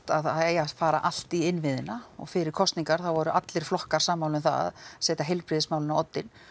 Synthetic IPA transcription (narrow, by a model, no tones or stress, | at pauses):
t̪aðaejafaːɾa̰ʔal̥t̪iɪnvɪðɪnaɔ̰ɣfɪɾɪɾ̥kʰɔst̪niŋkaɾ̥θawvɔɾʏʔat̪lɪɾ̥flɔhkaɾ̥saːmːawlʏmθa̰a̰sɛːt̪aɦɛjlpɾɪðɪsmawlɪnawɔt̪ːɪn